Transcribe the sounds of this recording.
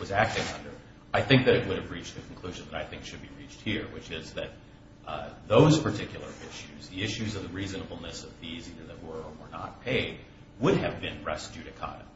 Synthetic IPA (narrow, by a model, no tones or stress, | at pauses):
wʌzæk̚tɪ̃ŋʌ̰̃ndə̰˞ | aɪθɪ̃ŋk̚ðɨɾɨt̚wʊɾɨvɹit͡ʃ̚ðɨkʰn̩kʰl̥ʉʒɨ̃n̩ðəɾaɪθɪ̃ŋkʃɨd̚biɹit͡ʃt̚hiɹwɨt͡ʃɪzðɨt̪̚ | ðoʊz̥pʰə˞tʰɪkʰjl̩ˠə̰˞ɪʃʉzðiɪʃʉzʌvðɨɹiznəbl̩ˠnɨsʌvðiziðə˞ðɨt̚wə˞wə˞nə̰t̚pʰeɪd̚ | wʊɾɨvbɪ̃nɹɛsd̥ʉɾɨkʰɑ̰ɾɨ̰